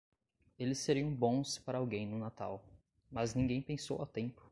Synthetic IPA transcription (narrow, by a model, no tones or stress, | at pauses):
elɪsːeɾiɐ̃w̃bõspaɾɐawɡẽj̃nʊnat̪a̰w | mɐznĩŋɡẽj̃pẽsowa̰wt̪ẽpʊ̥